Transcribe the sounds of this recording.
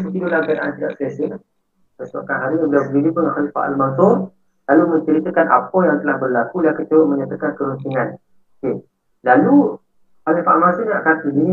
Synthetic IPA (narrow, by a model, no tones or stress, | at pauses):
sut̪idoʔlahɡədaʔa̰nt̪ida̰ʔsəasə | pəsa̰ʔkanɦaɾiɲabəliawbəlidipʊnxalifaʔa̰lmansur | lalumə̃ɲt͡ʃəɾit̪əkanʔa̰pɔjaŋt̪əlahbərlakulahkət̪əɾʊʔməɲat̪əkankəɾunt̪iŋan | ke | lalu | xalifaʔalmansuŋa̰ʔkat̪idini